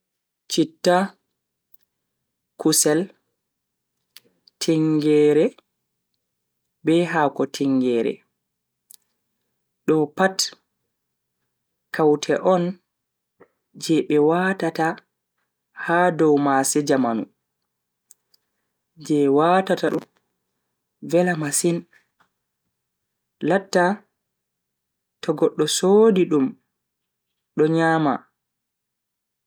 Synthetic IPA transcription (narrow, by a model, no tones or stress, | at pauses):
t͡ʃitːa | kusɛl | tʰiŋɡɛːɾɛ | bɛɦaːkɔtʰiŋɡɛːɾɛ̰ | ɗɔpat | kʰawtʰɛʔɔn | d͡ʒɛɓɛwatata | haːdɔwmasɛd͡ʒamanṵ | d͡ʒɛwatataɗum | vɛlamasin | latːa | tɔɡɔɗːɔsodiɗum | ɗɔɲaːma̰